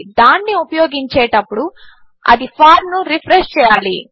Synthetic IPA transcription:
d̪aːnːiupɐjoːɡiɲt͡ʃɛːʈɐpːuɽu | ɐ̰d̪ipʰaːɾnuɾipʰɾeʂt͡ʃɛːjaːli

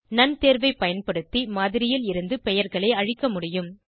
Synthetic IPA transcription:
nɐnt̪eːɾʋɐɪpɐjɐnpɐɽɯt̪ːimaːðɪɾɪjɪlɪɾɯnd̪ɯpɛjɐɾɣɐɭɐɪɐɻɪkːɐmʊɽɪjɯm

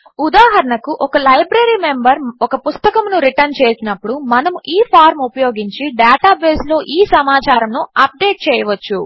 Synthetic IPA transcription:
ud̪aːɦɐɾɐɳɐkuʔɔkɐlɐjbɾɐɾime̞mbɐɾɔkɐpust̪ɐkɐmnuɾiʈɐɾnt͡ʃeːsinɐpːuɽumɐnɐmuʔiːpʰaːɾmupɐjo̞ːɡiɲt͡ʃiɖaːʈaːbeːslo̞ːʔiːsɐmaːt͡ʃaːɾɐmnuɐp̚ɖeːʈ̚t͡ʃɛːjɐʋɐt͡ʃːu

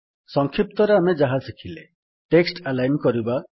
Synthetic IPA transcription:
sɔŋkʰip̚t̪ɔɾeamed͡ʒaɦasikʰile | ʈeksʈalajnkɔɾiba

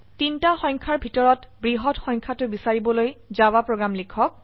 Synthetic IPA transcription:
tintaxɔj̃ŋkʰaɹbʱitɔɹɔtbɹiɦɔtxɔjŋkʰatʊbisaɹibɔlojzawapɹoɡɹamlikʰɔk̚

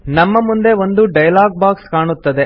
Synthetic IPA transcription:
nɐmːɐmund̪eo̞nd̪uɖɐjlaːɡ̚baːkskaːɳut̪ːɐd̪e

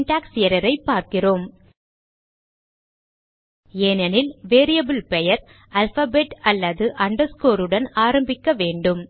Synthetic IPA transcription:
nʈaːksɪjɐɾɐɾɐɪpːaːɾkɪroːm | eːnɐnɪlʋeːɾɪjɐbɪlpɛjɐɾ | ɐlfɐːbeːʈɐlːɐðɯʔɐɳɖɐɾskoːɾɯɽɐnaːɾɐmbɪkːɐʋeːɳɖɯm

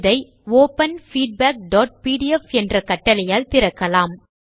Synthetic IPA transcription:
ðɐɪ | oːpɐnfiːɖ̚baːk̚ɖoːʈ̚piːɽɪɛfɛndrɐkɐʈːɐlɐjaːlt̪ɪɾɐkːɐlaːm

